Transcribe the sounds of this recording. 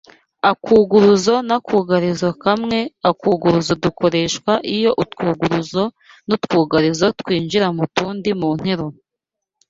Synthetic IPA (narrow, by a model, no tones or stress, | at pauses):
akuːɡuɾuzo̞nakʰuːɡaɾizo̞kamŋe̞akuːɡuɾuzo̞duko̞ɾe̞ʃkwaʔijo̞ʔutkuːɡuɾuzo̞ | nutkuːɡaɾizo̞twiːnʒiɾamutuːndimuːn̥heɾo